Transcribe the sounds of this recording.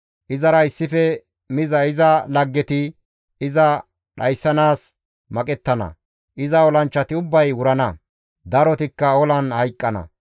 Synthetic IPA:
ʔɪzɐɾɐɪsːɪfɛ | mɪzɐɪzɐlɐɡːɛt̪ɪ | ɪzɐ | ɗɐjsːɐnaːs | mɐkʼɛt̪ːɐnɐ̰ | ʔɪzɐɔlɐnt͡ʃːɐt̪ɪʊbːɐjwʊɾɐnɐ | d̪ɐɾɔt̪ɪkːɐɔlɐnhɐjkʼːɐnɐ̰

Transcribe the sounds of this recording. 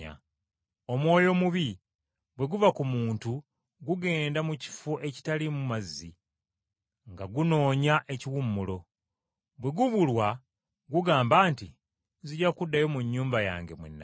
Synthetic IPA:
a̰ | o̞mwo̞ːjo̞muβi | bwe̞ɡuvakumuːntu | ɡuɡe̞ːndamuci̥foʔe̞ci̥talimumazːḭ | ŋɡaɡuno̞ːɲaʔe̞ciwumːulo̞ | bwe̞ɡuβulwa | ɡuɡaːmbaːnti | ziɟakudːajo̞muɲːuːmbaja̰ːŋɡe̞̰mwḛnːa̰

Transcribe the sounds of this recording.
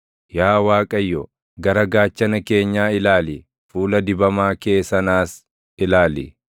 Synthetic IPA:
jaːwaːkʼɐjːɔ | ɡɐɾɐɡaːt͡ʃːɐnɐke̞ːɲːaːɪlaːlɪ | fuːlɐd̪ɪbɐmaːke̞ːsɐnaːs | ɪlaːlɪ̰

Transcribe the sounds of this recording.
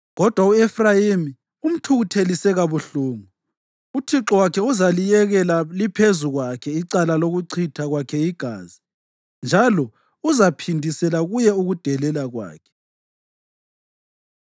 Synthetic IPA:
ɣɔd̥ʱwauɛfrajimi | um̩tʰuɣutʰelisɛɣaβuɬuːŋu | utʰiǁɔwakʰɛuzalijɛɣɛlalipʰezuɣwakʰɛiǀalaloɣuǀʰitʰaɣwakʰɛiɡ̥ʱa̰ːzi | nd͡ʒʱalɔ | uzapʰindʱisɛlaɣujɛuɣud̥ʱɛlɛlaɣwa̰ːkʰɛ̥

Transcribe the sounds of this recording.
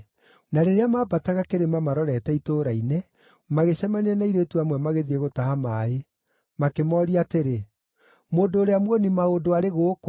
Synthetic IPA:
naɾeɾeamaːbataɣakeɾemamaɾɔɾɛtɛitoːɾainɛ | maɣeɕɛmaneɛnaiɾetuamwɛmaɣeðieɣotahamaːe | makemɔɾiateɾe | moːndoːɾeamwɔnimaodoaɾeɣoːk

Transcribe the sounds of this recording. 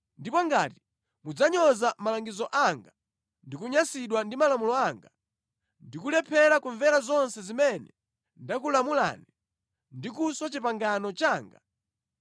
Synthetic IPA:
ndipɔŋɡati̥ | mud͡zaɲɔzamalaŋɡizɔʔaŋɡa | ndikuɲasiɗwandimalamulɔaŋɡa | ndikulɛpʰɛɾakuɱvɛɾazɔnsɛzimɛnɛ | ndak̬ulamula̰ːni | ndikusɔt͡ʃipaŋɡanɔt͡ʃaːŋɡa̰

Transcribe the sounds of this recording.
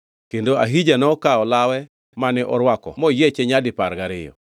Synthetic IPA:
kendoaɦid͡ʒanɔkaɔlawɛ | manɪʔɔɾwakɔ̰mɔjet͡ʃeɲadɪpaɾɡaɾɪjɔ̰

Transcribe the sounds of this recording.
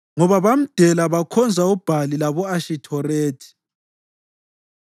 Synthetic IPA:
ŋɔβaβam̩d̥ʱɛlaβakʰɔnd͡zʱaub̥ʱalilaβɔaʃitʰɔreːtʰi̥

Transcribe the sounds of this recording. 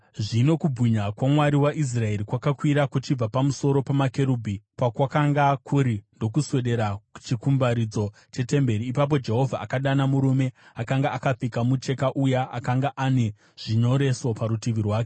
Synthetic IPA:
ʐino̞kubiɲakwamwaɾiwaʔis̬rae̞ɾikwakakwiɾakut͡ʃib͡vapamuso̞ɾo̞pamakeɾubʱipakwakaŋɡakʰuɾindo̞kuswe̞ɗe̞ɾaku̥t͡ʃikumbaɾid͡zo̞ | t͡ʃe̞te̞mbe̞ɾiːpap̬o̞d͡ʒe̞ɦo̞vʱaa̰kaɗanamuɾume̞akaŋɡaakap͡fikamut͡ʃe̞kaʔujaʔakaŋɡaʔane̞ | ʐ̥iɲo̞ɾe̞so̞paɾutiʋirwaːke

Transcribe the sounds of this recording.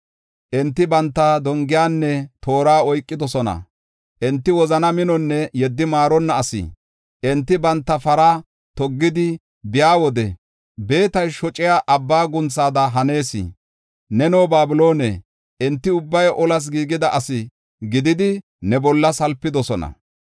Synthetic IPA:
ʔɛnt̪ːɪbɐnt̪ːɐd̪ɔŋɡɪjaːnːɛt̪ʰo̞ːɾaːɔjkʼːɪd̪ɔsɔnɐ̰ | ʔɛnt̪ːɪwɔzɐnɐmɪnɔnːɛjɛd̪ːɪmaːɾɔnːɐːsɪ̰ | ʔɛnt̪ːɪbɐnt̪ːɐfɐɾaː | t̪ɔɡːɪd̪ɪ | bɪjaːwɔd̪ɛ | be̞ːt̪ɐjʃɔt͡ʃʼɪjaːʔɐbːaːɡʊnt͡sːaːd̪ɐɦɐne̞ːsɪ̰ | nɛnoːbaːbɪlo̞ːnḛ | ʔɛnt̪ːɪʊbːɐjʔɔlɐs̬ɡiːɡɪd̪ɐʔɐsɪ | ɡɪd̪ɪd̪ɪ | nɛbɔlːɐsɐlpːɪd̪ɔsɔnɐ̰

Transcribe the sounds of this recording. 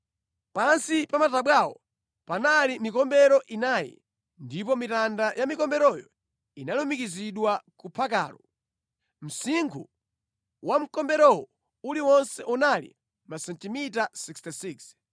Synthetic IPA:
pansipamataɓwawɔ | panalimikɔmbɛɾɔʔinajɛ̰ | ndip̬ɔmitandajʔamikɔmbɛɾɔjɔ | inalumikiziɗwakupʰak̬a̰ːɾɔ | m̩siŋɡʰu | wam̩kɔmbɛɾɔwɔ | uliwɔnsɛʔunalḭ | masɛntimitasikstisiks

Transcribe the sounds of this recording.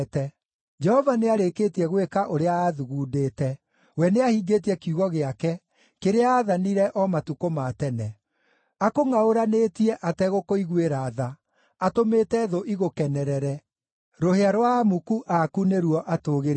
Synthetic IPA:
tɛ | d͡ʒɛhɔvaneaɾekeːtiɛɣwekaʔoɾeaːðuɣuːdeːtɛ | wɛneahiɡet̬iɛkiuɣɔɣeakɛ | keɾeaaːðaniɾɛʔɔmatukomaːtɛnɛ | akoŋaoɾanetiɛʔatɛɣokoiɣweɾaðaː | tometɛðoʔiɣokɛnɛɾɛɾɛ | ɾoheaɾoamukuʔakuneɾwɔʔatoːɣeɾ

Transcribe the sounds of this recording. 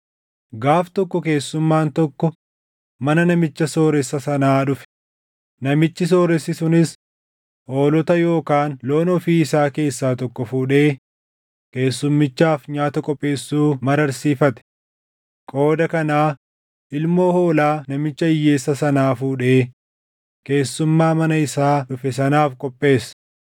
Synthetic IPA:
ɡaːft̪ɔkːɔke̞ːsːʊmːaːnt̪ɔkːɔ | mɐnɐnɐmɪt͡ʃːɐso̞ːɾɛsːɐsɐnaːᶑʊfɛ̥ | nɐmɪt͡ʃːɪs̬o̞ːɾɛsːɪsʊnɪs | ho̞ːlɔt̪ɐjo̞ːkaːnloːnɔfiːɪsaːke̞ːsːaːt̪ɔkːɔfuːᶑe̞ː | ke̞ːsːʊmːɪt͡ʃːaːfɲaːt̪ɐkʼɔpʼːe̞ːsːuːmɐɾɐɾsiːfɐt̪ɛ̥ | kʼo̞ːd̪ɐkɐnaː | ʔɪlmo̞ːho̞ːlaːnɐmɪt͡ʃːɐɪjːe̞ːsːɐsɐnaːfuːᶑeː | ke̞ːsːʊmːaːmɐnɐɪsaːᶑʊfɛsɐnaːfkʼɔpʼːe̞ːsɐ̥

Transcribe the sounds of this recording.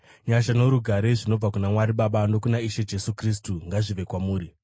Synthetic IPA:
ɲaʃano̞ɾuɡʱaɾeʐino̞b͡vakunamwaɾiɓaɓandokunaiʃe̞d͡ʒe̞sukris̬tuŋɡaʐiʋe̞kwamuːɾi

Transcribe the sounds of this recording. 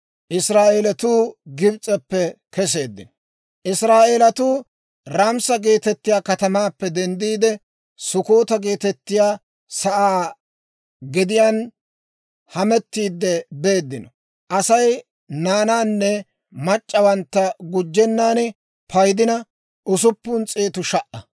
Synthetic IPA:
ʔɪsɾaːʔeːlɐt̪uːɡɪbt͡sʼɛpːɛkɛs̬e̞ːd̪ːɪnɔ | ʔɪsɾaːʔeːlɐt̪uː | ɾamsɐɡe̞ːt̪ɛt̪ːɪjaːkɐt̪ɐmaːpːɛd̪ɛnd̪iːd̪ɛ | sʊkoːt̪ɐɡe̞ːt̪ɛt̪ːɪjaː | sɐʔaː | ɡɪd̪ɪjaːn | hɐmɛt̪ːiːd̪ːɛbe̞ːd̪ːɪnɔ | ʔɐsɐj | naːnaːnːɛ | mɐt͡ʃʼːɐwɐnt̪ːɐɡʊd͡ʒːɛnːaːnɛ | pɐjd̪ɪnɐ | ʔʊsʊpːʊnt͡sʼeːt̪ʊʃɐʔɐ

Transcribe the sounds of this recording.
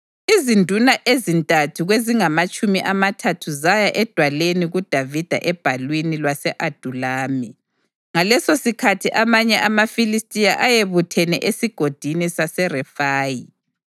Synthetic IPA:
izindʱunaʔezintʼatʰuɣweziŋamat͡ʃʼumiʔamatʰatʰuzajaʔɛd̥ʱwaleniɣud̥ʱavid̥ʱa̰ʔɛb̥ʱalwinilwasɛʔad̥ʱulaːmi | ŋalɛsosikʰatʰiʔamaɲɛʔamafilistʼijaʔajeβutʰɛnɛʔesiɡ̥ʱod̥ʱinisasɛrɛfaːji

